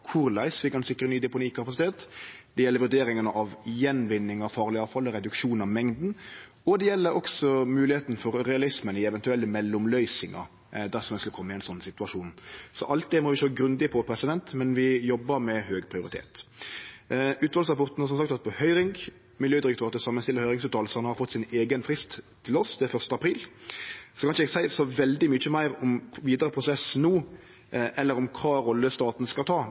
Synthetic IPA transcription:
kʰʊɾlæɪsʋɪkɑɛnsɪkːɾənyːd̪ɛpʊniːkɑpɑsɪt̪ʰeːt̪d̪̥ɛjɛlːəɾʋʉɖ̪eːɾɪŋənəʔɑʋjɛnʋɪnːɪŋɑʋfɑːʁlɪɑːʋfɑlɔɾɛd̪ʉkʂuːnɑʋmɛŋd̪n̩ | ɔd̪ɛjɛlːəɾɔksɔmʉːlɪheːt̪n̩fɔɾɾɛɑlɪsmənɪɛʋɛnt̪ʉɛlːəmɛlːʊmlœʏsɪŋɑ̰ | d̪æʁsɔmɛnskləkʰɔmːɪɛɪnsɔnːsɪt̪ʉɑʂuːnsɔ̰ʔɑlt̪̚d̪ɛmɔʋɪʃøːɡɾʉnd̪ɪpʰɔpʰɾɛsɪd̪ɛnt̪mɛnʋɪjɔbːəɾmɛhøːɡpʰɾɪʊɾɪt̪ʰḛːt̪ | ʉːt̪ʋɑːlsʁɑpɔʁt̪n̩hɑɾsɔmsɑkt̪ʰɑt̪̚pʰɔhœʏɾɪŋɡ | mɪljøːd̪ɪɾɛkt̪ʰøːɾɑt̪əsɑmːənst̪ɪləɾhœʏɾɪŋsʉːt̪ʰɑːlsəɾnhɑɾfɔt̪ːsɪneːɡənfɾɪst̪ʰː | ɪlɔsd̪ɛfœʁʂt̪əɑpʰɾiːl | sɔkʰɑnʃəɛɡsæɪsɔʋɛld̪ɪmyːt͡ʃːəmæɪɾɔmʋiːd̪əɾəpʰɾʊsɛsnuː | ʔɛlːəɾɔmkʰɑːɾɔlːəst̪ɑːt̪n̩skɑlt̪ʰɑː

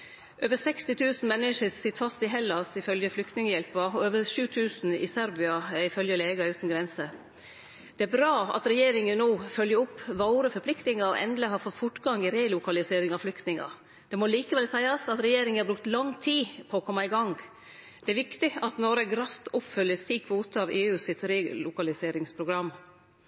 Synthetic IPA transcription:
ʔøːʋəsɛkst̪ɪt̪ʰʉːsn̩mɛnːɪʂəsɪt̪ːfɑst̪ɪɦɛlːɑsɪfœljəflʏkt̪nɪŋəjɛlpɑɔøːʋəɾʂʉːt̪ʰʉːsn̩ɪ̰sæɾbɪɑɪfœljəleːɡɑʉːt̪n̩ɡɾɛnsə | d̪̥ɛæɾbɾɑːɑ̰t̪ɾɛjeːɾɪŋənnuːfœljəɾʊpːʋɑʊɾəfɔɾplɪkt̪nɪŋəɾɔ̰ʔɛ̰nd̪ləhɑɾfɔt̪ːfʊʈɡɑŋɪɾeːlʊkɑlɪseːɾɪŋɑflʏkt̪nɪŋɑ̰ | d̪̥ɛmɔliːkəʋɛlsæɪɑsɑt̪ɾɛjeːɾɪŋəæɾbɾʉkt̪lɑŋt̪ʰiːpʰɔːkʰɔmːɑɪɡɑŋ | d̪̥ɛæɾʋɪkt̪ɪɑt̪nɔɾəɡɾɑst̪ʊpːfœljəst̪iːkʰʋoːt̪əɑʋeːʉːsɪt̪ɾeːlʊkɑlɪseːɾɪŋspʰɾʊɡɾɑmː

